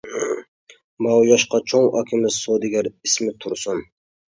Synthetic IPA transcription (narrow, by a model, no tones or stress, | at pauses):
mɑwjɑʃqɑt͡ʃʰoŋɑkʲʰɪmɪzsod̪ɪɡʲæɾismɪt̪ʰʊɾsʊm